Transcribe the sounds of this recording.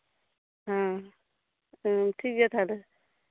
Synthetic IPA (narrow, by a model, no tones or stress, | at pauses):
ɦã | ʈʰiːkjet̪ʰalə